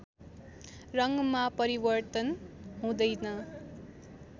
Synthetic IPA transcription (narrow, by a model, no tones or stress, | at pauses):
rʌŋɡmapʌɾibʌrt̪ʌnɦũd̪ʌjnʌ